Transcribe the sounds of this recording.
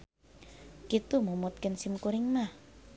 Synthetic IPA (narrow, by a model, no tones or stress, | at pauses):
kit̪umumut̪̚kɪnsimkuɾɪŋmah